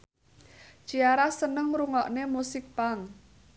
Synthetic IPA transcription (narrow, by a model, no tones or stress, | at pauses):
d͡ʒ̥iaɾasənəŋɾuŋɔʔnemusɪk̚paŋ